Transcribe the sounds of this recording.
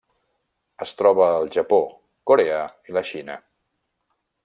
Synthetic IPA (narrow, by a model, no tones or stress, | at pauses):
əst̪ɾɔβəːlˠʒəpo | koɾeəiləʃinə̰